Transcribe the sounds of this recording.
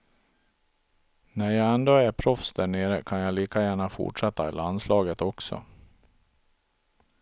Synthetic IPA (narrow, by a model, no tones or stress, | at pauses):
næɾjɑːɡɛnd̪oːæɾpʰɾɔfsd̪æɳeːɾəkʰanjɑːliːkajæːɳafʊ̰ʈʂɛt̪ːaɪ̰lanslɑːɡət̪ɔksɔ̰